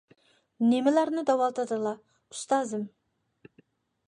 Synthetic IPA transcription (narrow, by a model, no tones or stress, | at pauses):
nemɪlæɾnɪd̪ɑwɑlˠt̪ʰɨd̪ɨlˠɑ | u̥st̪ɑːzɨm